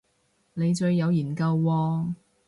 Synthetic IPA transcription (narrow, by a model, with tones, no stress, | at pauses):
ne˨˧jt͡ʃɵ˧ɥːɐ˨˧wjiː˨˩nkɐ˧wːɔː˧